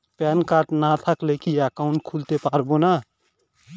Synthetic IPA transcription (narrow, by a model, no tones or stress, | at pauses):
pɛːnkaːɾʈnat̪ʰəklekiɛkaʊɳʈ̚kʰult̪epaːɾbona